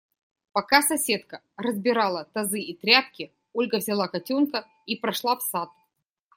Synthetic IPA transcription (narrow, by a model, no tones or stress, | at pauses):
pɐkasɐsʲe̞t̪kə | rəzbʲɪɾalˠət̪ɐzɨit̪ɾʲat̪̚kʲɪ | olʲɡəvzʲɪlˠakɐtʲonkə | ipɾɐʂlˠafsat̪̚